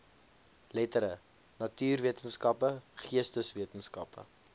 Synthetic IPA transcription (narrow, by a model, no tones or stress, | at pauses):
lɛtəɾə | nɐtyːrviətənskɐpəχiəstəsviətənskɐ̰pə̰